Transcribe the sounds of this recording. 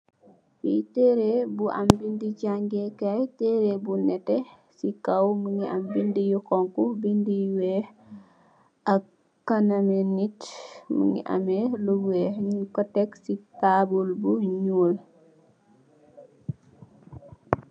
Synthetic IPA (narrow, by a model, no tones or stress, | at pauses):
witɛɾebuʔa̰mbindid͡ʒaŋɡɛkajtɛɾebunɛtɛ | sikawməŋiʔambindijukɔŋkubindiwɛh | ɐ | kːanamenitmə̰ŋḭʔa̰mɛluwɛhɲukɔtɛksitabulbuɲuːl